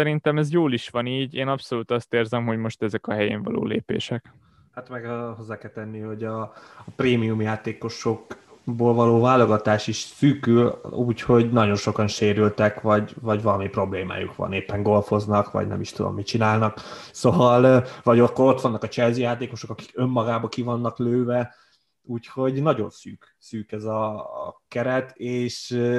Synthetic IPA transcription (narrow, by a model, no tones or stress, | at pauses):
sɛɾint̪ɛmɛzjoːliʃʋɒniːɟeːnɒpso̞luːt̪ɒst̪eːrzɛmɦo̞ɟmo̞ʃt̪ɛzɛkɒɦɛjḛːɱvɒ̰lo̰ːlḛːpḛːʃɛk | hat̪mɛɡɦo̞zːaːkɛlt̪ɛnːiho̞ɟɒpreːmijumjaːt̪eːko̞ʃo̞kboːlvɒloːvaːlːo̞ɡɒt̪aːʃiʃsyːkyluːcho̞ɟnɒɟo̞nʃo̞kɒnʃeːɾylt̪ɛkvɒɟvɒɟvɒlɒmipro̞bleːma̰ːjṵkʋɒ̰neːpːɛŋɡo̞lfo̞znɒkʋɒ̰ɟnɛ̰miʃt̪ud̪o̰mːit͡ʃinaːlnɒkso̞vɒlvɒɟokːoɾo̞t̪ʋɒnːɒkɒt͡ʃɛlzijaːt̪eːko̞ʃo̞kɒki̥kø̞mːɒɡaːbɒkivɒnːɒkløːvɛ | uːcho̞ɟnɒɟo̞̰nsyːk | syːkɛzɒ̰kɛɾɛt̪eːʃ